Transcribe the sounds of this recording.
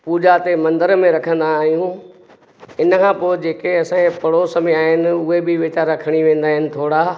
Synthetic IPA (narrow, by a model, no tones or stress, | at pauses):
puːd͡ʑat̪emɐ̃nd̪əɾmẽɾɐkʰə̃nd̪aːɦijũ | ɪnəkʰãːpoːɪd͡ʑeːkeɐsãepɐɽosɐmiaːɦɪnɪ̆ʊɦebɪʋɪt͡ɕaːɾakʰəɽ̃iʋẽːnd̪aːɦɪnɪ̆t̪ʰoːɽa